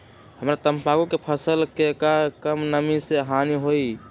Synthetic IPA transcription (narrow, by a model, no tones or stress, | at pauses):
ɦəmɾat̪əmpaɡukepʰəsəlkekakəmnəmiseɦaniɦoi